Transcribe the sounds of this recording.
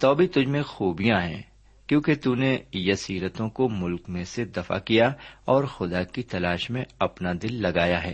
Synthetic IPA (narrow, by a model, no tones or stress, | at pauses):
t̪ɔːbʱit̪ʊd͡ʒʱmẽxuːbijãɦɛ̰̃ː | kjõːket̪uːnejɐsiːɾət̪õkomʊlkmẽsed̪ɐfa̰kijaɔːɾxʊd̪akit̪ɐlaːʃmẽɐpnad̪ɪlːɐɡaːjaɦɛ̰ː